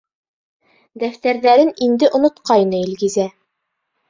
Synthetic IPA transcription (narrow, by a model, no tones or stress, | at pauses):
d̪æft̪æɾðæɾɘnind̪ɘʔŏnŏt̪qɑjnɤilɡɘ̆zæ